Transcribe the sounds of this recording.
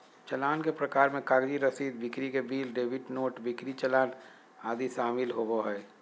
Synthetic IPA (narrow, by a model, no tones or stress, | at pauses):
t͡ʃəlaːnkepɾəkaːɾmẽkaːɾd͡ʒiɾəsiːd̪̚bɪkɾikebiːlɖeːbɪʈnoːʈbɪkɾit͡ʃəlaːn | aːd̪iʃaːmɪlɦoboɦɛː